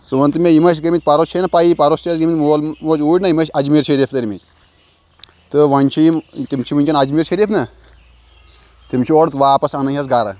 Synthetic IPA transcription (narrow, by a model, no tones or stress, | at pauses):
sɨʋɐnt̪ɨmʲeimɐt͡ʃ̬ɡɐmit̪̚ʲpɐɾost͡ʃʰenɐpaipɐɾostɐsɡɐmit̪ʲmolmoːt͡ʃuːʈʲnɐimɐʃʲɐd͡ʒmiːɾʃɐɾiːpʰt̪ɐɾʲimit̪ʲ | t̪ɨʋɐnʲt͡ʃʰimt̪imt͡ʃʰiʋunʲt͡ʃʲɐnɐd͡ʒmiːɾʃɐɾiːpnɐ | t̪imt͡ʃʰioɽt̪ʋaːpɐsɐnɐɐsɡaɾɐ̰